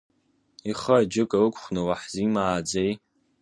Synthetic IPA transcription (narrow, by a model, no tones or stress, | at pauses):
iχəd͡ʒɨkʼaɨkʷʰʼχʷnɨwaħzimaːd͡zej